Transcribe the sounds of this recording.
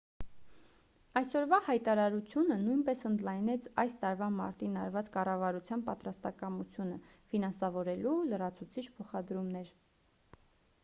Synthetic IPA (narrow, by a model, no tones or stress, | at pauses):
ɑjsɔɾvɑhɑjt̪ɑɾɑɾut͡sʰjunənujnpɛsənd̪lɑjnɛt͡sʰɑ̰jst̪ɑɾvɑmɑ̰ɾt̪inɑɾvɑt͡skɑrɑvɑɾut͡sʰjɑnpɑt̪ɾɑst̪ɑkɑmut͡sʰjunə | finɑnsɑvɔɾɛlulərɑt͡sʰut͡sʰit͡ʃʰpʰɔχɑd̪ɾumnɛɾ